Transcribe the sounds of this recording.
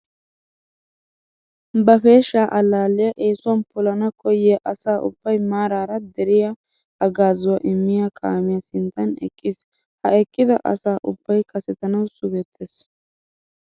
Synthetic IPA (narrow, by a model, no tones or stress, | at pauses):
bɐfe̞ːʃːaːʔɐlːaːlɪjɐʔe̞ːsʊwɐnpʊlɐnɐkʰɔjɪjɐʔɐsaːʔʊ̰b̥ːɐjmaːɾaːɾɐd̪ɛɾɪjɐ | ɐɡaːzɔwɐʔɪmːɪjakʼa̰ːmɪjɐsɪnt̪ːɐnɛ̰kʼːɪs | hɐɛkʼːɪd̪ɐ̰ʔɐ̰saːʔʊb̥ːɐjkʰɐsɛt̪ɐnɐwsʊɡɛt̪ʰːes